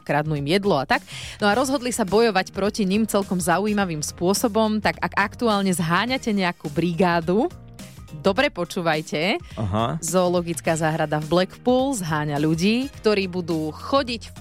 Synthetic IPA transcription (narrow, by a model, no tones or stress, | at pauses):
kɾad̪nuːimjɛd̪lɔat̪aknɔaɾɔzɦɔd̪lisabɔjɔʋacpɾɔciɲimt͡sɛlkɔmzauiːmaʋimspʊɔsɔbɔmt̪aɡaɡakt̪uaːlɲɛzɦaːɲacɛɲɛakuːbɾiɡaːd̪u | d̪ɔbɾɛpɔt͡ʃuːʋajcɛaɦazɔːlɔɡit͡skaːzaːɦɾad̪avblɛkpuːlzɦaːɲaʎuɟiːkt̪ɔɾiːbud̪uːxɔɟic